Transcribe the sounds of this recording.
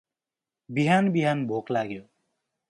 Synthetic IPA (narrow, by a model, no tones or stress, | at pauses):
biɦanbiɦanbʱoklaɡjo